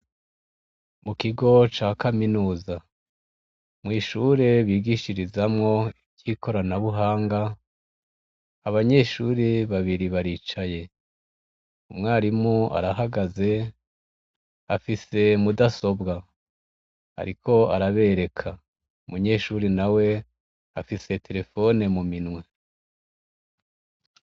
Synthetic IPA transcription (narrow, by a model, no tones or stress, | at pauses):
mukiɡo̞t͡ʃaːkaminuːza | mŋiːʃuɾe̞βiːɡiʃiɾizamŋo̞ibɟiːkʰo̞ɾanaβuɦaːŋɡa | aβaɲe̞ːʃuːɾeβaβiɾiβaɾiːt͡ʃaje̞ | umŋaːɾimua̰ɾaɦaɡaze̞ | afise̞mudaso̞bɡa | a̰ɾikʰo̞aɾaβe̞ɾe̞kʰa | umuɲe̞ːʃuːɾinawe̞ | afise̞tʰe̞ɾe̞fo̞ne̞muminwe̞